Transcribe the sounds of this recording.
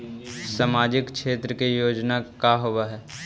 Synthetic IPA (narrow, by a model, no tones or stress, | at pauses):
saːmaːd͡ʒɪkʰʃeːt̪ɾəkejoːd͡ʒnakaɦoaɦɛː